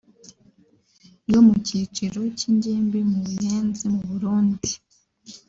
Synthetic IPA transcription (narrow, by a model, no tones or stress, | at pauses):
jomuciːt͡ʃiɾo̞ciɲɟeːmbimuβujeːnzimuβuɾuːndi